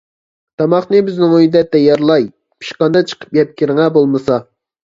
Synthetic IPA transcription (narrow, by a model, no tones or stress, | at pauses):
t̪ʰɑmɑχnɨbɪznɪŋød̪ɛt̪ʰːɛjɑɾlˠɑj | pʰi̥ʃqɑnd̪ɑt͡ʃʰə̥qʰə̥p̚jʲɛp̚kʲʰiɾŋɑbolˠmɨsɑ